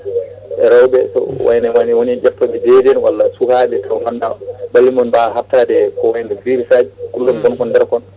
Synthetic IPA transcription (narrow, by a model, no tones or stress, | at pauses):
ʔɛɾawbɛsɔ̰wa̰jnawaniwonid͡ʒɛftːɔɓɛd͡ʒeɾiɛnwalːasuhaɗɛtʰawhanːabalːimɔnbaɦatːadɛkɔwajnɛfiɾsad͡ʒikulːɔmɡɔnkɔndɛɾkɔn